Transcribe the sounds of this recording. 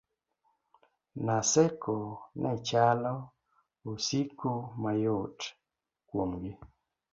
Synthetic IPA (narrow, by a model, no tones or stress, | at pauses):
nasɛkonʔat͡ʃalɔ | osikumajot | kwomɡɪ